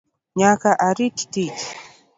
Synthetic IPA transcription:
ɲakaʔaɾiti̥tit͡ʃ

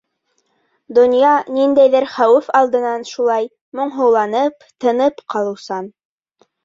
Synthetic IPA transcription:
d̪ŏnjɑnind̪æjðɘɾχæwɘfɑlˠd̪ɤ̆nɑnʃulˠɑj | mŏɴɦɤ̆wlˠɑnɤpt̪ɤ̆nɤpqɑlˠɤ̆wsɑn

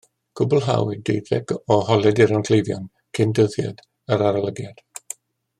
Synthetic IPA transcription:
ɡ̥ʰʊbʊlˠɦa̰widejðɛɡ̥ɔhɔlˠɛdɪɾankʰl̥ejvjɔ̰n | kʰɪndəθja̰d | əɾaɾalˠəɡjad̥

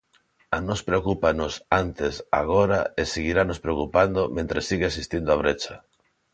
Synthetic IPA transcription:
anospɾeokupanosant̪esa̰ɣ̞oɾaeseɣiɾanospɾeokupand̪omẽnt̪ɾesiɣeasist̪ind̪oaβ̞ɾet͡ʃa

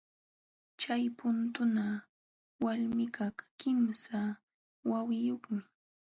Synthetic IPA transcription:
t͡ʃajpʊnt̪ʊna | walmɪkaχkɪmsa | wawɪjoχmɪ

